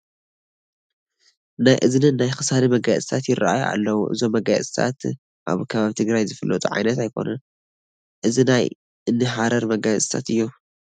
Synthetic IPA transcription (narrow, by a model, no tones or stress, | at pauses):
najʔɨznɨːajxɨsalimɐɡasʼɨt̪ʰat̪jɪɾaʔajuʔa̰lːɐwuʔɨ̰zo̞mːɐɡat͡sʼt̪ʰa̰t̪ | ʔa̰βkʰɐβaβit̪ʰɨɡɾajzɨfɨlːɐ̰t̪ʼuʕa̰jnɐt̪ajkʰo̞̰nɐn | ʔɨzinaj | ʔɨnːɨħaɾɐɾmɐɡasʼt̪ʰat̪ɨjːu